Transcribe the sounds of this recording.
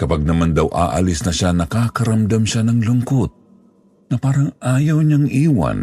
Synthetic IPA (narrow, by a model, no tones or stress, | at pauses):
kɐpaɡ̚nɐmand̪awʔa̰ːʔɐ̰lɪsnɐʃanɐkaːkɐɾɐmd̪amʃanɐŋlʊŋkot̪̚ | nɐpaːɾɐŋʔaːjɐwɲaŋʔiːwa̰n